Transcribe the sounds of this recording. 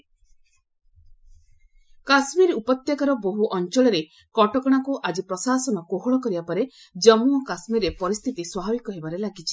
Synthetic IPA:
kasmiɾupɔt̪jakaɾɔboɦuʔɔnt͡ʃɔɭɔɾe | kɔʈɔkɔɽ̃akuʔad͡ʒipɾɔsasɔnɔkoɦɔɭɔkɔɾibapɔɾe | d͡ʒɔmuɔkasmiɾepɔɾist̪ʰit̪iswabʱabikɔɦebaɾelaɡit͡ʃʰi̥

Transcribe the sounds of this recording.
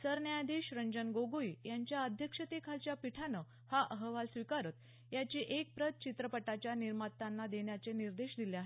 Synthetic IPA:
səɾnjajad̪ʱiɕɾəɲd͡ʑənɡoɡoijaɲt͡ɕjaəd̪ʱjəkʂət̪ekʰalt͡ɕjapiʈʰanə | haʔəɦəʋalsʋikaɾət̪ | jat͡ɕiːʔek̚pɾət̪̚t͡ɕit̪ɾəpəʈat͡ɕjaniɾmat̪ːanːad̪eɳjat͡seniɾd̪eɕd̪iljaɦe

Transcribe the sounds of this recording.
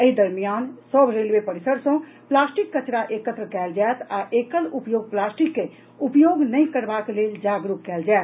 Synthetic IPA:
əid̪əɾmijansəbɾelwepəɾisəɾsə̃plasʈikːət͡ʃɾaʔekət̪ɾəkɛld͡ʒaet̪aʔekəlupjoɡ̚plasʈikːe | upjoɡnəjkəɾbakleld͡ʒaɡɾukːɛld͡ʒaɛt̪

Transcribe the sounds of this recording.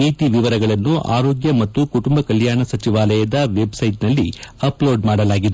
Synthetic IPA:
iːt̪iʋiʋɐɾɐɡɐɭɐnːuʔa̰ːɾoːɡjɐmɐt̪ːukuʈumbɐkɐljaːɳɐsɐt͡ʃiʋaːlɐjɐd̪ɐʋe̞bsɐjʈnɐlːiɐploːɖmaːɽɐlaːɡid̪u

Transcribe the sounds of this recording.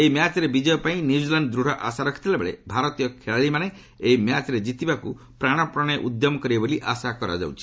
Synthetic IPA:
eimjat͡ʃɔɾebid͡ʒɔjɔpaĩnjid͡ʒilanɖd̪ɾuɽ̤ɔʔasaɾɔkʰi̥t̪ʰilebeɭebʱaɾɔt̪ijɔkʰeɭaɭimane | eimjat͡ʃɔɾed͡ʒit̪ibaku | pɾaɽ̃ɔpɾɔɽ̃eʔud̪jɔmɔkɔɾiaboliʔasakɔɾa̰d͡ʒa̰wt͡ʃʰi̥

